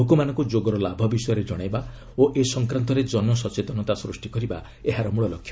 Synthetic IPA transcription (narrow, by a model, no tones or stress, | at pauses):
ɦokumanɔ̃ŋkud͡ʒoɡɔɾɔlabʱɔbisɔjɔɾed͡ʒɔɽ̃ajba | oʔesɔŋkɾant̪ɔɾed͡ʒɔnmɔsɔt͡ʃet̪ɔnɔt̪asɾusʈikɔɾiba̰ | eɦaɾɔmuɭɔlɔkʰːjɔ